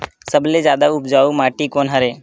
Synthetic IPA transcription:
səbled͡ʒjaːd̪aʊpd͡ʒaːumaːʈikoːnɦɐɾeː

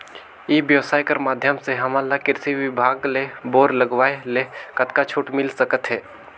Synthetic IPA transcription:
ibjəʋsaːjkəɾmaːd̪ʱjəmseɦɐmalakɪɾsiʋɪbʱaːɡleboːɾləɡʋaːelekət̪kat͡ʃʰuːʈmɪlsəkət̪ɦɛː

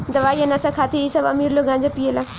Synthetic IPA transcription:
d̪ɐʋaːiɐnasakʰaːt̪ʰeisɐbɐ̰miːɾloɡãːɲd͡ʑapiːəlaː

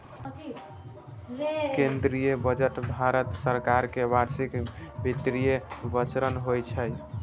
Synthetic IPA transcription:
kend̪ɾijebəd͡ʒəʈbʱaɾət̪səɾkaɾkebaɾsikbʱit̪ɾijebət͡ʃɾənɦojt͡ʃʰəj

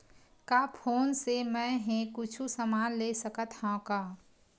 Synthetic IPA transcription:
kapʰoːnsemɛ̃ɦẽkʊt͡ʃʰusəmaːnleːsəkət̪ʰhãkaː

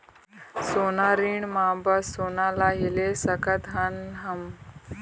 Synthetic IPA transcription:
sonaɾiɳmabasonalaɦilesəkat̪ɦanɦəm

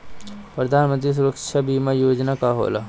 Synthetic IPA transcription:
pɾɐd̪ʱaːnmənt̪ɾis̬uɾəkt͡ʃʰabiːmajoːd͡ʒnakaɦo̰la̰

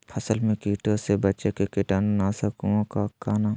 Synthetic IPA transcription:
pʰɐsəlmẽkiːʈosebɐːt͡ʃekekɪʈannasɐkũokakaːna

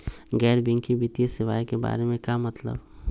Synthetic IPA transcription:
ɡɛːɾbɪ̃ŋkibit̪ijesɪʋa̰ːjkeba̰ːɾemẽkjamɐt̪lə̰b

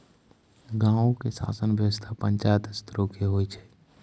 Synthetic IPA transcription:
ɡãːõkesa̰ːsənbʱjəʋəst̪ʰapə̃ɲt͡ʃaːjət̪ɪst̪ɾokʰeɦoːit͡ʃʰɛ̥ː

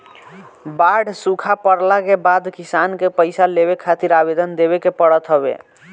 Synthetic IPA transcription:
baɖsukʰapəɾlakebad̪kisankepəɪsaleβekʰat̪iɾabed̪ənd̪eβekepəɽət̪ɦəbḛ

